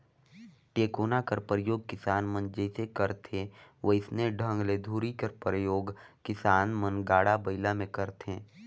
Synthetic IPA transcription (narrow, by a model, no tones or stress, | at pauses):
ʈeːkoːnakəɾpɾəjoːɡ̚kɪsaːnmənd͡ʒɛːsekəɾt̪ʰeʋoɪsneɖʱə̃ŋɡled̪ʱuːɾikəɾpɾəjoːɡkɪsaːnmənɡaːɽabɐɪlamẽkəɾt̪ʰẽː